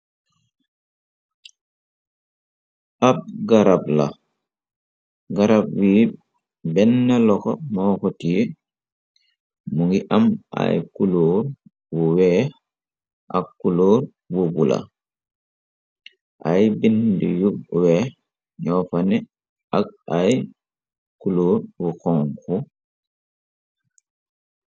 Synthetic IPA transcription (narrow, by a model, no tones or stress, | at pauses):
ʔab̚ɡaɾabla̰ | ɡaɾab̚wiː | bɛnːɛlɔkɔ̰mɔːkotije | muŋɡiʔama̰jkuloːɾ | buwɛ | ʔa̰kːuloːɾ | bubula̰ | ʔajbindijuwɛ | ɲɔːfanɛ | ak̚aj | kuloːɾbuxɔŋku